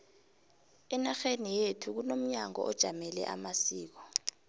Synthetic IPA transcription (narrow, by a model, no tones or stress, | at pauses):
ɛnaxenijetʰuk̬unom̩ɲaŋɔ̰ʔɔd̥ʒ̥ʱamɛlɛ̰ʔa̰masiːk̬ɔ̥